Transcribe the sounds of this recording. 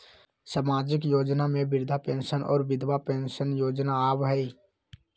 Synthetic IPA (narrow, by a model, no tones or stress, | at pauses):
saːmaːd͡ʒɪkjoːd͡ʒnamẽbɪɾd̪ʱapẽːnʃənʔɔ̰ːɾʋɪd̪ʱwapẽːnʃənjoːd͡ʒnaaːʋɦɛi